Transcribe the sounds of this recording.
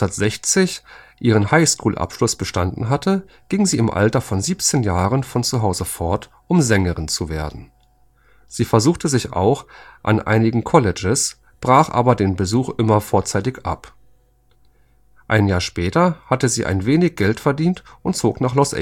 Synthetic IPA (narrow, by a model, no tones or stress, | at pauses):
aɐtz̥ɛçt͡sɪçʔiːʁ̞ənhaɪskʰuːlʔa̰pʃlʊsb̥əʃtandn̩ɦatə | ɡ̥ɪŋziːɪmʔa̰ltɐfɔnziːpt͡seːnjaːʁənfɔnt͡suɦaʊzəfɔɐt | ʔʊmzɛŋəʁɪnt͡suveːɐdn̩ | z̥iːfɛɐzuːxtəzɪçʔa̰ʊxʔa̰nʔa̰ɪnɪɡŋ̩kʰɔlɪd͡ʒəs | b̥ʁaːχʔa̰ːbɐdeːnbəzuːxʔɪmɐfoːɐt͡saɪtɪçʔa̰p | ʔaɪnjaːɐʃpɛːtɐhatəziːʔa̰ɪnveːnɪçɡ̥ɛltfɛɐdiːntʔʊntt͡soːknaːχlɔsʔɛ̰